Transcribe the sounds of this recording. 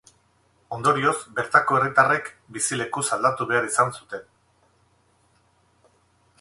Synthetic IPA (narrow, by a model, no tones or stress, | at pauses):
o̞nd̪o̞ɾio̞zbe̞ɾt̪ako̞e̞rit̪are̞k | bisile̞kusald̪at̪uβe̞aɾisansut̪e̞n